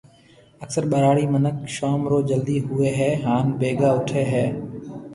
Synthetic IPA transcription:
əksəɾɓəɾaːɽiːmənəkʃoːmɾoːd͡ʒəld̪iːɦʊeːɦɛːɦaːnbeːɡaːʊʈʰeːɦɛː

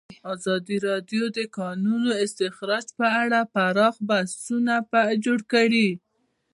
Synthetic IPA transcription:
ɑzɑd̪iɾɑd̪jod̪əkɑnunoɪst̪ɪxɾɑd͡ʒpəaɽapaɾɑxbasunapad͡ʒoɽkaɽi

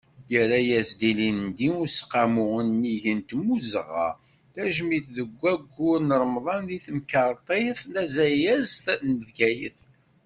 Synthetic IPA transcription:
jəɾæjæsd̪ilind̪iʊɾsqamʊʁənːiʝənt̪muzʁɑ̰ | θæʒmiθðəɡʷːæɡːʊɾnəɾˤmðˤɑnðiθmkɑɾˤt̪ˤeθnæzæjæzt̪ænəvɡæjəθ

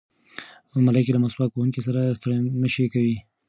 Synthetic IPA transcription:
malakelamasbɑt̪̚kohuŋkis̬aɾast̪əɽaməʃekawi

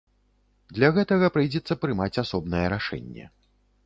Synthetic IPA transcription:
d̪lʲaɣɛt̪ɐɣɐpɾɨjd͡zʲɛt̪sːɐpɾɨmat͡sʲasɔbnɐjɛɾaʂɛ̰nʲːɛ̰

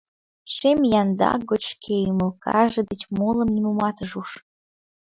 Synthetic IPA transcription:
ʃemjɑnd̪ɑ̰ɡot͡ɕkʰejymə̆lˠkɑ̰ʒĕd̪ət͡ɕmolə̆mnʲimomɑt̪əʒuʃ

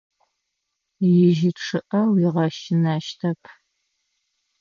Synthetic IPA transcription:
jɪʒɪʈ͡ʂʰɨʔɐwɪʁɐʃɪnaːʃtʰɐpʰ

